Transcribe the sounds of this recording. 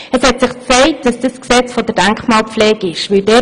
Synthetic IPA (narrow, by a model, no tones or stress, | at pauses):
əshɛtsɪχt͡sɛɪk̚t̚d̥ɑsd̥əsksɛt͡sfɔdəɾd̥æŋkχmɑːlflɛːɡ̥ɪʃʋɪldɛ